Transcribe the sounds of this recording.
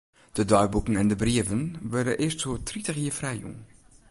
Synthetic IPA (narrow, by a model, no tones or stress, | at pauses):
d̥ədœɥbukənɛndəbriəvənʋʊɹdə̰nʔɪːstsoːtritəχjiːfrɛjjṵŋ